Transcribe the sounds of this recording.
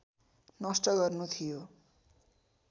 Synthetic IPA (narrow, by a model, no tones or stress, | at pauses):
nʌst̪ʌɡʌrnut̪ʰijo